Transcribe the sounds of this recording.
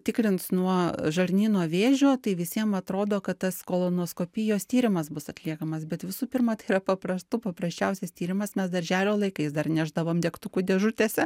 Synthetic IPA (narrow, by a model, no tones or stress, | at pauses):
t̪ʲɪkɾʲɪnt̪snuɔʒɐɾʲnʲiːnoːʋʲeːʒʲoːt̪ɐɪʋʲɪsʲiɛmɐt̪ɾoːd̪oːkɐt̪t̪ɐskoːlˠoːnoːskoːpʲɪjoːst̪ʲiːɾʲɪmɐsbʊsɐt̪ʲlʲiɛkɐmɐsbʲɛt̪ʋʲɪsuːpʲɪrmɐt̪ɐɪiɾɐpɐpɾɐst̪upɐpɾɐsʲt͡ʃʲɛʊsʲɛst̪ʲiːɾʲɪmɐsmʲɛsd̪ɐɾʲʒʲæːlʲoːlˠɐɪkɐɪsd̪ɐrnʲæʒd̪ɐʋoːmd̪ʲɛkt̪ʊkud̪ʲɛʒʊt̪ʲeːsʲɛ